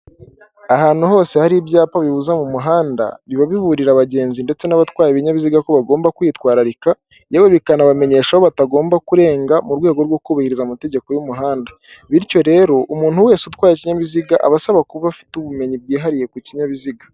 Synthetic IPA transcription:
ahaːn̥huɦo̞ːse̞haɾibjaːpaβiβuzamumuɦaːnda̰βiβaβiβuɾiɾaβaɟe̞ːnzinde̞t͡se̞naβatwaːjeβiɲaβiziɡako̞βaɡo̞ːmbakwiːtwaːɾaɾika | jaweβikanaβame̞ɲe̞ːʃahoβataɡo̞ːmbakuɾe̞ːŋɡamuɾɡwe̞ːɡo̞ɾɡwo̞kuβahiɾizamute̞ɟe̞ko̞jumuɦaːnda | βiɾco̞ɾe̞ɾo̞ʔumuːn̥huwe̞ːsutwaːjeciɲaβiziɡaʔa̰βasaβakuβafi̥tuβume̞ɲib̚ɡiːɦaɾije̞kuciɲaβiziɡa

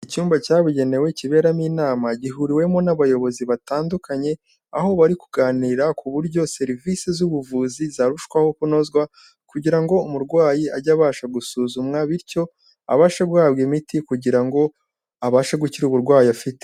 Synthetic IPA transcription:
icuːmbacaːβuɟe̞ne̞we̞ciβe̞ːɾamiːnaːmaɟiɦuɾiwe̞mo̞naβajo̞βo̞ziβataːndukaɲe̞ | aho̞βaɾikuɡaːniːɾakʰuβuɾɟo̞se̞ɾivisezuβuvuːzizaɾuʃkwaho̞kuno̞zɡwa | kuɟiɾaŋɡo̞umuɾɡwaːjiaɟaβaːʃaɡusuːzumŋaβiɾco̞ | a̰βaːʃaɡuhaːβɡimitikuɟiɾaŋɡo̞ | aβaːʃaɡuciɾuβuɾɡwaːjiafite

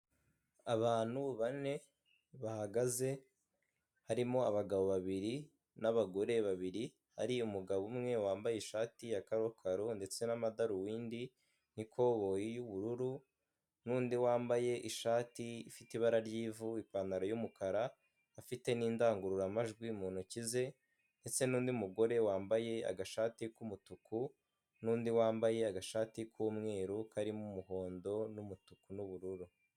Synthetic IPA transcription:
aβaːn̥huβane̞ | βahaɡaze̞ | haɾimo̞aβaɡaβo̞βaβiɾi | naβaɡo̞ɾe̞βaβiɾi | ha̰ɾiumuɡaβumŋe̞waːmbaje̞ʃaːtijakaɾokʰaɾonde̞t͡se̞namadaɾuwiːndi | n̥ikʰo̞βo̞jijuβuɾuɾu | nuːndiwaːmbaje̞ʔiʃaːtiifitiβaɾaɾɟiːvuipanaɾajumukʰaɾaː | fite̞niːndaːŋɡuɾuɾamaʒɡwimuːn̥ucize̞ | nde̞t͡se̞nuːndiumuɡo̞ɾe̞waːmbaje̞a̰ɡaʃaːtikumutuku | nuːndiwaːmbaje̞aɡaʃaːtikʰuːmŋe̞ːɾukaɾimumuɦo̞ːndo̞numutukunuβuɾuɾu

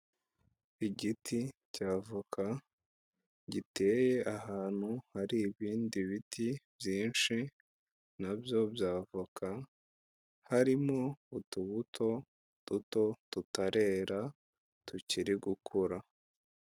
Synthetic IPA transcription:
iɟitʰicaːvukʰa | ɟite̞ːje̞ʔahaːn̥huhaɾiːβiːndiβitʰibjiːnʃi | nabjo̞bjaːvakʰa | haɾimoutuβutʰo̞ | d̥uto̞tutaɾe̞ɾa | tuciɾiɡukʰuɾa

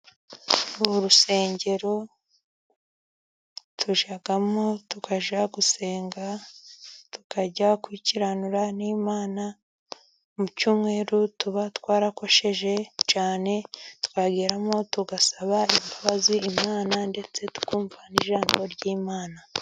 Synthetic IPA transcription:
oɾuse̞ːɲɟe̞ɾo̞ | tʰuʒaɡamotukʰaʒaɡuse̞ːŋɡa | tu̥kʰaɟakwiciɾanuɾaniːmaːna | mucuːmŋe̞ːɾutuβatwaːɾako̞ʃe̞ʒe̞t͡ʃaːne̞tu̥kaɡiːɾamo̞tuɡasaβaimbaβaziimaːnande̞t͡se̞tu̥kuːɱvaniʒaːmɡo̞ɾɟiːmaːna

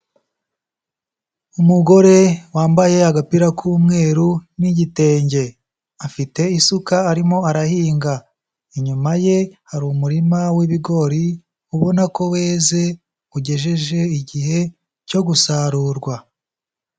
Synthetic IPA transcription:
umuɡo̞ɾe̞waːmbaje̞aɡapiɾakʰuːmŋe̞ːɾuniɟite̞ːɲɟe̞ | afite̞isukaːɾimo̞aɾahiːŋɡa | iɲumaje̞haɾumuɾimawiβiɡo̞ɾi | uβo̞nako̞we̞ːze̞ | uɟe̞ʒe̞ʒe̞iɟihe̞ | co̞ɡusaɾuɾɡwa

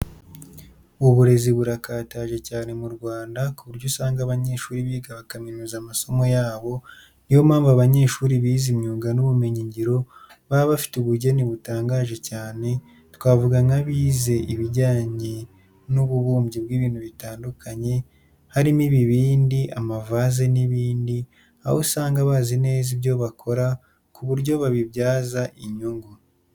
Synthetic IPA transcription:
uβuɾe̞ziβuɾakaːtaʒe̞caːne̞muɾɡwaːndakuβuɾɟosaːŋɡaβaɲe̞ːʃuːɾiβiːɡaβakaminuzamaso̞mo̞jaːβo̞ | nijo̞maːmbaβaɲe̞ːʃuːɾiβiːzimɲuːɡanuβume̞ɲiɲɟiɾo̞ | βaβafi̥tuβuɟe̞niβutaːŋɡaːʒe̞caːne̞ | tkwaːvuɡaŋaβiːze̞ʔiβiɟaːɲe̞ | nuβuβuːmbɟibɡiːβiːn̥huβitaːndukʰaɲe̞ | haɾimiβiβiːndiʔamavazeniβiːndi | a̰hosaːŋɡaβaːzine̞ːzibɟo̞βakʰo̞ɾa | kuβuɾɟoβaβibɟaːzaʔiɲuŋɡu

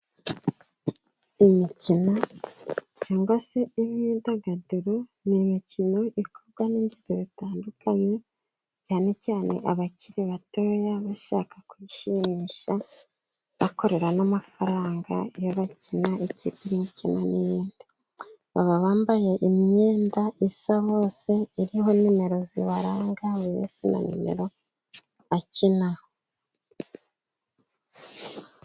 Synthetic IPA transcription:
imicina | caːŋɡwase̞iβidaɡaduɾonimicino̞ʔikʰo̞bɡwaniːɲɟiɾejitaːndukaɲe | caːne̞caːne̞̰ʔaβaciɾiβato̞ːjaβaʃa̰ːkakwiʃimiʃa | βako̞ɾe̞ɾanamafaɾaːŋɡa̰joβacʰinaeciːpiɾindicinanijiːndi | βaβaβaːmbaje̞ʔimɲeːndaʔisaβo̞ːse̞iɾiho̞nime̞ɾo̞ziβaɾaːŋɡaβujḛsina̰nḭme̞̰ɾo̞ | βacʰinaho

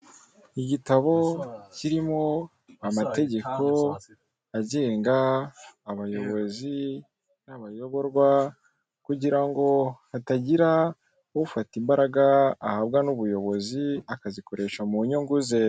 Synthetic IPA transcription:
iɟitaβo̞ciɾimo̞ | amate̞ɟe̞ko̞ | aɟeːŋɡaː | βajo̞βo̞zi | naβajo̞βo̞ɾɡwa | kuɟiɾaŋɡo̞hataɟiɾa | ufatimbaɾaɡaːhab̚ɡanuβujo̞βo̞ziakaziko̞ɾe̞ʃamuɲuŋɡuze̞

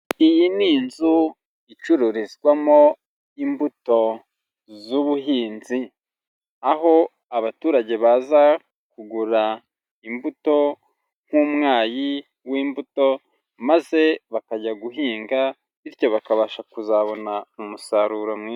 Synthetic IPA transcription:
ijiniːnzu | it͡ʃuɾuɾizɡwamo̞ | imbuto̞ | zuβuɦiːnzi | aɦo̞ | aβatuːɾaɟe̞βaza | kuɡuɾa | imbuto̞ | ŋ̥huːmŋaːji | wiːmbuto̞ | maze̞βakaɟaɡuɦiːŋɡa | iɾjo̞βakaβaːʃakuzaβo̞naumusaɾuɾomŋiː

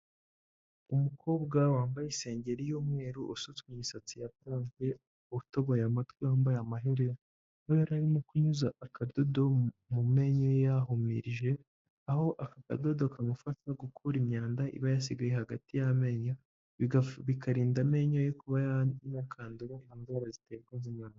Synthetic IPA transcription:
umukʰo̞ːbɡawaːmbajise̞ːɲɟe̞ɾijoːmŋe̞ːɾuʔosut͡swiɲisat͡sijakaːnɡe̞ | otoβojamatkwiwaːmbajamaɦeɾeɾa | hojaɾaɾimokuɲuzaːkʰadodo̞mume̞ɲojejaɦumḭɾiʒe̞ | aho̞ʔakaka̰do̞do̞kamufataɡukʰuɾimɲaːndaʔḭβajas̬iɡajehaɡatijame̞ɲo | iβikaɾiːndame̞ɲojekuβajainakʰaːnduɾaanzwaːɾaziteɡɡwazimɲaːnda

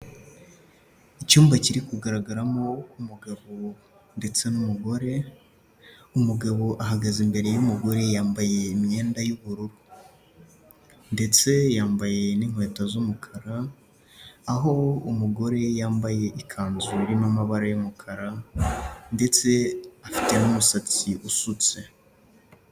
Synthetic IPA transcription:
icuːmbaciɾikuɡaɾaɡaɾamo̞umuɡaβo | nde̞t͡se̞numuɡo̞ɾe̞ | umuɡaβo̞ʔaɦaɡazimbe̞ɾe̞jumuɡo̞ɾe̞jaːmbaje̞imɲe̞ːndajuβuɾuɾu | nde̞t͡se̞jaːmbaje̞niŋ̥hwe̞ːtazumukʰaɾaː | ɦo̞umuɡo̞ɾe̞jaːmbaje̞ʔikʰaːnzuɾinomaβaɾajumukʰaɾa | nde̞t͡se̞afi̥te̞numusat͡siʔusut͡se̞

